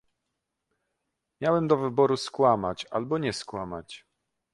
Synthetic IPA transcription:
mʲjawɛmd̪ɔvɘbɔɾuskwamat͡ɕa̰lbɔɲɛskwama̰t͡ɕ

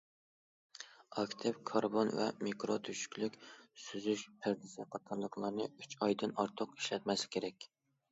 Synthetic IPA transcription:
ɑkʰʲt̪ʰɪpkʰɑɾbonvɛ̰mikɾot̪ʰyʃy̥kʲlykʲsyzyʃpʰæɾd̪ɪsɪqɑt̪ʰɑɾlˠəqlˠɑɾnɨyt͡ʃʰɑjd̪ɨnɑɾt̪ʰʊqi̥ʃlɛt̪mɛslɪ̥kʲʰeɾɛkʲ

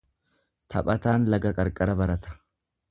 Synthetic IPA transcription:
t̪ʰɐ̰pʼɐt̪aːnlɐɡɐkʼɐɾkʼɐɾɐbɐɾɐt̪ɐ̥

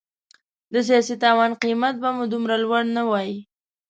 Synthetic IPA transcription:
d̪əs̬ijɑsit̪ɑwɑnqimat̪̚bamud̪umɾalwaɽnawɑji

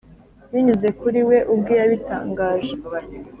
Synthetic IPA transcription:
wiɲuze̞kuɾiwe̞ʔub̚ɡiɾaβita̰ːŋɡaːʒe

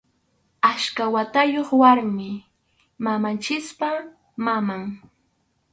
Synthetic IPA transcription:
aʃkawat̪ajoχwaɾmɪ | mamant͡ʃɪspa | mamaŋ

